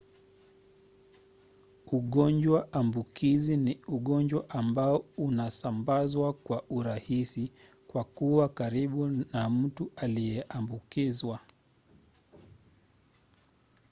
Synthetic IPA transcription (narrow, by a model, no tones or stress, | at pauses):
uɠɔnd͡ʒwaʔambukiziniuɠɔɲd͡ʒwaʔambaɔunasambazwakwaʔuɾahisi | kwakuwakaɾiɓunam̩tualijɛʔambukizwa